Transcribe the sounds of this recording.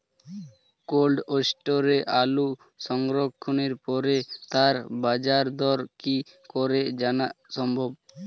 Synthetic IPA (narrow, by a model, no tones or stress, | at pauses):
kolɖosʈoɾeʔalu | ʃɔŋɾokʰːoneɾpɔɾet̪aɾbad͡ʑaɾd̪ɔɾki | kɔɾed͡ʑanaʃɔmbʱob